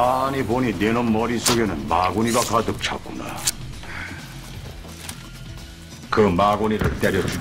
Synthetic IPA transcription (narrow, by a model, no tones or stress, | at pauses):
aɲipoɲinenomːʌɾisʰoɡe̞nɯnmaɡuɲiɡakadɯp̚t͡ɕʰa̰k͈̚una̰ | kɯmaɡuɲiɾɯɭt͈eɾjʌd͡ʑ